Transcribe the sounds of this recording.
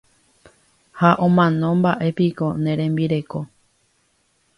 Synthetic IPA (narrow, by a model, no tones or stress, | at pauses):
haʔõmãnõ̞mbaʔe̞piko̞nẽɾ̃ẽ̞mbiɾe̞ko̞